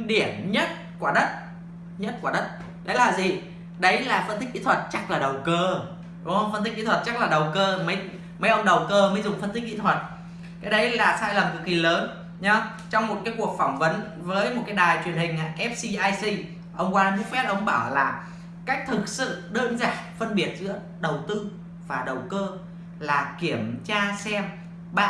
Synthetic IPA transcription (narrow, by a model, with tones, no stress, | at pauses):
ɗi˧˩əmɲə˦˥t̚ | ku˧˩ɗə˦˥t̚ | ɲə˦˥t̚ku˧˩ɗə˦˥t̚ | ɗə˨˦jlaː˨˩zḭ˨˩ | ɗə˨˦jlaː˨˩fə˧nt̪ï˦˥ʔḭ˧˥t̪ʰwə˨˩t̚t͡ɕa˦˥k̚laː˨˩ɗə˨˩wkəː˧ | ɗŋ͡mhə˧wŋ͡mfə˧nt̪i˦˥k̚ki˧˥t̪ʰwə˨˩t̚t͡ɕa˦˥k̚laː˨˩ɗə˨˩wkəː˧mə˨˦j | mə˨˦jʔə˧wŋ͡mɗə˨˩wkəː˧məː˨˦jzʊ˨˩ŋ͡mfə˧nt̪ï˦˥k̚kḭ˧˥t̪ʰwə˨˩t̚ | kaː˨˦jɗə˨˦jlaː˨˩saː˧jlə˨˩mkɨ̰˨˦˥ki˨˩ləː˨˦n | ɲa˨˧˦ | t͡ɕɔ˧wŋ͡mmo˨˩kaː˨˦jku˨˩ək̚fɔ˧˩wŋ͡mvə˨˦n | vəː˨˦jmo˨˩t̚kaː˨˦jɗaː˨˩jt͡ɕwi˨˩ənhï˨˩ŋ̟ʔa̰ː˨ʔɛ˦˥p̚si˧ʔaː˧jsi˧ | ʔə˧wŋ͡mkwaː˧ɓṵ˧˥fɛ˦˥p̚ʔə˧wŋ͡mɓaː˧˩wlaː˨˩ | ka˦˥k̚t̪ʰɨ˨˩k̚sɨ̰˧˨ɗəː˧nzaː˧˨˩ŋfə˧nɓi˨˩ət̚zɨ̰˧˥ə | ɗə˨˩wt̪ɨ˧ | vaː˨˩ɗə˨˩wkəː˧ | laː˨˩ki˧˩əmt͡ɕaː˧sɛ˧m | ɓaː˧